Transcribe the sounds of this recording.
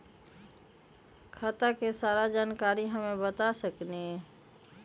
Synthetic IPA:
kʰaːt̪akesaːɾad͡ʒaːnkaːɾiɦəmẽbət̪asəkne

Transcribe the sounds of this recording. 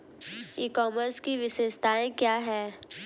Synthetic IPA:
iːkɔːməɾskiʋɪʃeːʃt̪aːẽkjaːɦɛː

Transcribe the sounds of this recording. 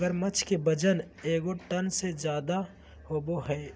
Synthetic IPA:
ɡəɾmət͡ʃʰkebəd͡ʒən | eːɡoʈənsed͡ʒjaːd̪a | hoːboɦɛː

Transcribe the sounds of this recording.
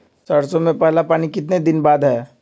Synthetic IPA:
t͡ʃaɽsomẽpɛɦlapaːñikɪt̪ned̪ɪnbaːd̪ɦɛː

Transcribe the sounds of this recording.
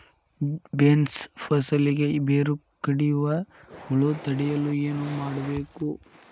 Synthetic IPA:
benspʰɐsɐliɡebeːɾu | kɐɽijʋɐɡuɭut̪ɐɽijɐlːueːnumaːɽɐbeːku

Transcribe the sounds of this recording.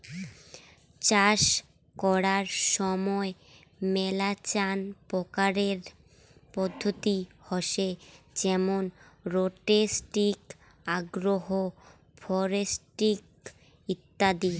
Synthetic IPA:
t͡ɕaʃ | kɔɽaɾʃɔmɔe | mɛlat͡ɕanpɔkaɾeɾ | pɔd̪ʱːot̪ihɔʃe | d͡ʑɛmonɾoʈesʈik | aɡɾoɦo | fʰɔɾesʈik̚ | it̪ːad̪i

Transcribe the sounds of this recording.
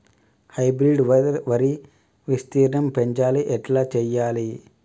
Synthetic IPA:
hɐjbɾiɖʋʋɐɾi | ʋist̪iːɾɐnɐmpeɲt͡ʃaːliʔɛʈlaːt͡ʃɛjːaːli

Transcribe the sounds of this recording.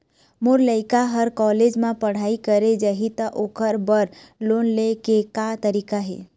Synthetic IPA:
moɾləɪkaɦəɾkɔled͡ʒmãpəɽ̤aːikəɾed͡ʒəɦit̪əʔokʰəɾbəɾ | lonlekekat̪əɾikaɦḛ

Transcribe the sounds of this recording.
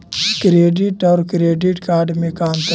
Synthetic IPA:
kɾeːɖɪʈɔːɾkɾeːɖɪʈkaːɖmẽkaːmt̪

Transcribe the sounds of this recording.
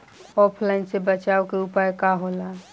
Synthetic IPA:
ɔpʰlaɪnsebət͡ʃaokeupajkaɦola

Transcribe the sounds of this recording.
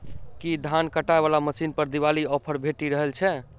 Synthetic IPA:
kid̪ʱankəʈaeβalaməsinpəɾd̪iβaliɔpʰəɾbʱeʈiɾəɦəlt͡ʃʰɛ

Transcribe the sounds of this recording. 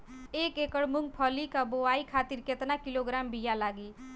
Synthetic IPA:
ekekəɽmuŋɡ̚pʰəlikaboaikʰat̪iɾket̪nakiloɡɾambijalaɡi

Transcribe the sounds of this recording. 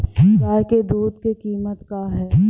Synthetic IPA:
jaːked̪uːd̪kekiːmət̪kaɦɛː

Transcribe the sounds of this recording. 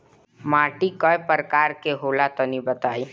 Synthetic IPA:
maːʈikɔepəɾkaːɾkeɦoːlat̪ɔnibət̪aːi

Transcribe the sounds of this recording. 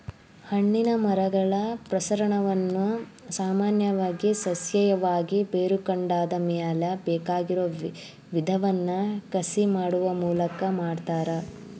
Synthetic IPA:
hɐɳːinɐmɐɾɐɡɐɭɐpɾɐsɐɾɐɳɐʋɐnːu | saːmaːnjɐʋaːɡisɐsjɐjɐʋaːɡibeːɾukɐɳɖaːd̪ɐmɛjɐlɐbɛːkaːɡiɾoː | ʋid̪ʱɐʋɐnːɐkɐsimaːɽuʋɐmuːlɐkɐmaːɖt̪aːɾɐ

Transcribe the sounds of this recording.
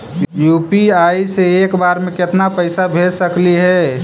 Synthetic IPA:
juːpiaiseeːkbaːɾmẽkɪt̪napəɪsabʱed͡ʒsəkliɦɛ

